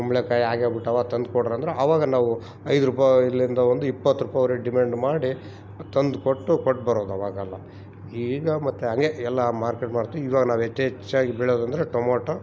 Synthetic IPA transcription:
ɐmɭekaːjaːɡebiʈːɐʋaːɡɐt̪ɐnd̪̚kɔɽːd̪ɐnd̪ɾeʔɐʋaːɡɐnaːʋu | ɐjd̪ɾuːp̬ailːɐind̪ɐʋond̪uipːɐt̪ːuɾuːpajʋɐɾeɖimeːɳɖmaːɽi | t̪ɐnd̪koʈːukoʈːbɐɾoːd̪uɐʋaːɡɐlːɐ | iːɡɐmɐt̪ːeɦɐŋɡeɛlːɐmaːɾkeʈmaːɽt̪ːiːʋaːɡɐnaːʋet͡ʃːet͡ʃːaːɡibɛɭoːd̪ɐnd̪ɐɾeʈomoːʈo

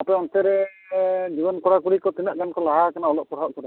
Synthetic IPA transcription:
apɛɔnsɛɾɛ | d͡ʒibɔnkɔɽakuɽikɔt̪inaʔɡankɔlaɦakanaɔlɔʔ̚pɔɽ̤aʔkɔɾa

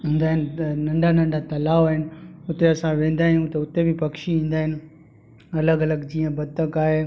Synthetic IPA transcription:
ɦũːn̆d̪aːɦɪnɪnɐ̃ɳɖʱanɐ̃ɳɖʱat̪ɐlaːʋaːɦɪnɪ̆ʊt̪eɐsãʋẽːn̆d̪aːɦɪjũt̪ɐʊt̪ebɪpɐkʃiĩːn̆d̪aːɦɪnɪ̆ | ɐləɡɐləɡd͡ʑiːə̃bɐd̪̚t̪əkaːɦe

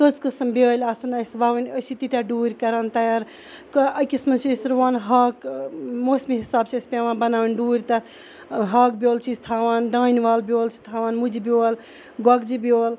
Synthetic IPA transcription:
kəzkɐsɐmbelʲasɐnɐsʋaːʋɐnʲəsit̪it̪ʲjaɖuːɾʲkɐɾɐnt̪ɐjaɾ | kɐkismɐnt͡ʃʰisɾʋaːnɦaːkmoːsmiɦisaːb̚t͡ʃʰiɐsʲpʲeʋaːnbɐnaːʋɐnɖuːɾʲt̪ɐ | ɦak̚bjoːlt͡ʃʰizt̪ʰaːʋaːnɖaːnʋaːlbʲoːlt͡ʃʰi̥t̪ʰaːʋaːnmud͡ʒibjoːl | ɡɐɡd͡ʒibioːl

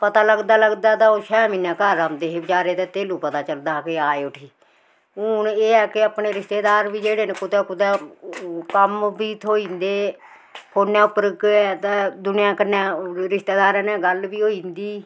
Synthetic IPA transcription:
pət̪aːləɡd̪aːləɡd̪aːt̪ãːoːʃɛːmiːnãːkaɾaːmd̪eːɦeːbɪt͡ʃaːɾeːt̪ẽːt̪eːluːpət̪aːt͡ʃəld̪aːkɪaːeʊʈʰiː | ʊneːɛːkɪapneːɾɪst̪eːd̪aːɾʋiːd͡ʒeːɽeːneːkʊt̪ɛːkʊt̪ɛː | kəmbiːt̪ʰoːiːnd̪eː | kʰoːnjãːʊpɾəkɛt̪ɛːd̪ʊnɪjãːkɪnɛːɾɪst̪eːd̪aːɾɛnɛ̃ːɡəlbiːɦoːiːnd̪iː

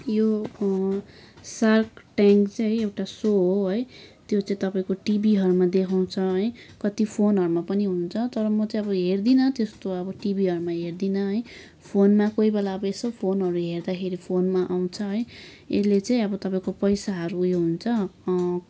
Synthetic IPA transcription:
jo | sarkʈaŋkt͡saɦʌj̃ewʈasoɦoɦʌjt̪jot͡sãĩt̪ʌpaĩkoʈibiɦʌɾumad̪ekʰaw̃t͡sʰʌɦʌjkʌt̪ipʰonɦʌɾumapʌniɦunt͡sʰʌt̪ʌɾʌmʌt͡sãĩʌbʌɦerd̪inʌt̪est̪oʌbʌʈibiɦʌɾumaɦerd̪inʌɦʌj | pʰonmakoibelaʌbʌesʌbpʰonɦʌɾuɦerd̪akʰeɾipʰonmaʔaw̃t͡sʰʌɦʌj | ḛlet͡sãĩʌbʌt̪ʌpaĩkopʌjsaɦʌɾuːjoɦunt͡sʰʌ

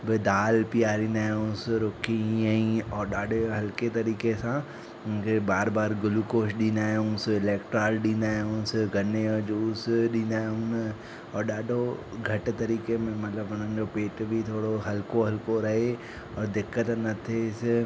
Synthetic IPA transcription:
bɪd̪aːlpijaːɾĩːnaːjũsɾoːkʰiɐĩɔːɾɗaːɖʱeɦɐlket̪ɐɾiːkesã | ʊkebaːɾbaːɾɡʊlukoːʃɗĩːnaːũsɪlɛːkʈɾaːlɗĩːnaːɦʊ̃sɡʱɐned͡ʒuːsɗĩːnaːʊ̃n | ɔːɾɗaːɖʱoɡʱɐʈt̪ɐɾiːkemẽmɐt̪ləbɦʊn̤ə̃nd͡ʒopeːʈbʱit̪ʰoːɽoɦɐlkoɦɐlkoɾɐɦe | ɔːɾd̪ɪkːət̪nɐt̪ʰeɪs

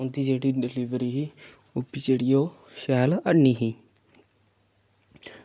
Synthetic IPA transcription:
ʊ̃nd̪iːd͡ʒeːɽiːɖɪliːʋɾiːɦiː | ʊpːiːt͡ʃeːɽijoː | ʃɛːləniːɦiː

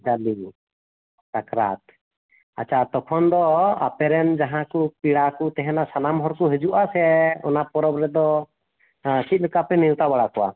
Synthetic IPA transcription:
d͡ʒali | t͡ʃakɾat̪ | at͡ʃʰat̪ɔkʰɔnd̪ɔa̰pɛɾɛnd͡ʒaɦãkupiɽakut̪ɛɦɛnasanamɦɔɾkɔɦɛd͡ʒuʔasɛɔ̰napɔɾɔbɾɛd̪ɔ | kit̪̚ˀlɛkapɛnilt̪abaɽakɔwa̰

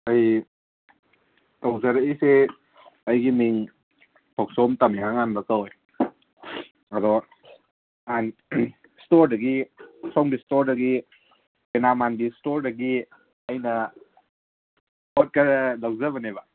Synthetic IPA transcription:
ɐj | tawzaɾaise | ɐjɡiniŋ | tʰɔk̚sɔmtamihaŋanbakaɔj | ɐdɔ | an | stoɾdɐɡiɔksɔŋɡistoɾdɐɡi | benamanbistoɾdɐɡi | ɐjnɐ | ɔt̚kɐɾlawzaβɐneba

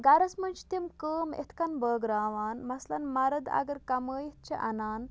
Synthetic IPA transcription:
ɡɐɾɐsmɐnt͡ʃʰt̪imkəːmḛt̪ʰkɐnbəːɡɾaːʋaːnmɐslɐnmɐɾɐd̪ɐ̰ɡɐɾkɐməːjit̪̚t͡ʃʰiʔɐ̰naːn

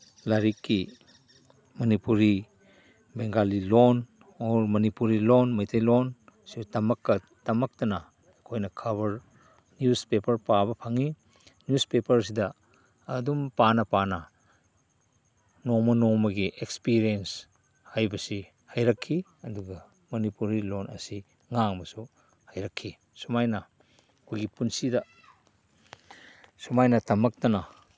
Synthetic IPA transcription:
laɾikːi | mɐnipuɾi | beŋɡalilon | ɔɾmɐnipuɾilonmɐjtʰɐjlonsibtɐmɐkːɐ | tɐmɐk̚tɐnɐː | kʰojnɐkʰɐβɐɾ | njuspepɐɾpabɐpʰaŋi | njuspepɐɾs̬idɐː | dumpanɐpanɐ | nomɐnomɐɡiʔekspiɾiens | hajbɐsi | hajɾɐkʰːi | ɐduɡɐ | mɐnipuɾilonɐ̰si | ŋaŋbɐsu | hajɾɐkʰːi | sumajnɐ | kʰujɡipunsidɐ | sumajnɐtɐmɐk̚tɐnɐ

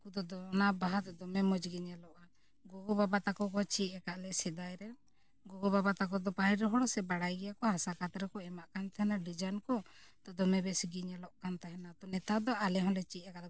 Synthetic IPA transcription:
kud̪ɔd̪ɔnabaɦat̪d̪ɔmɛmɔd͡ʒɡiɲalɔʔa | ɡɔɡɔbabat̪akɔkɔt͡ʃiɛkaʔlɛsɛd̪ajɾɛ | ɡɔɡɔbabat̪akɔd̪ɔpaɦiɾɛɦɔɽɔsɛbaɽajɡɛjakɔhasakat̪ɾɛkɔɛmaʔkant̪ahɛnalid͡ʒankɔt̪ɔd̪ɔmɛbɛsɡiɲalɔʔkant̪aɦɛnat̪ɔnɛt̪ad̪ɔalɛɦɔ̃nlɛt͡ʃiɛkal

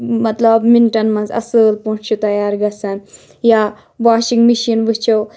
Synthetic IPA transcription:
mɐt̪lɐbminʈɐnmɐ̃nzɐ̰sɨːlpõːt͡ʃt͡ʃʰut̪ɐjaːɾɡɐsɐn | jaː | ʋaːʃiŋɡmiʃinʋɨt͡ʃʰow

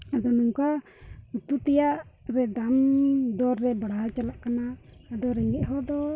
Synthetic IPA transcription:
ad̪ɔnuŋka | ut̪ut̪ɛjaʔɾɛd̪amd̪ɔɾːɛbaɽaɦalt͡ʃalaʔkanaːd̪ɔɾɛŋɡɛʔɦɔd̪ɔ

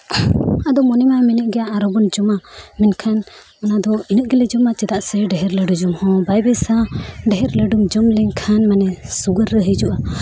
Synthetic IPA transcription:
ad̪ɔmɔnɛmajmɛnɛʔɡɛjaːɾɔbɔnd͡ʒɔmamɛnkʰan | ɔnad̪ɔinəʔɡɛlɛd͡ʒɔmat͡ʃɛd̪aʔsɛɖɛɦɛɾləɖud͡ʒɔmhɔ̃bajbɛsaɖɛɦɛɾləɖumd͡ʒɔmlɛɲkʰanmanɛsuɡəɾːəɦəd͡ʒuʔa

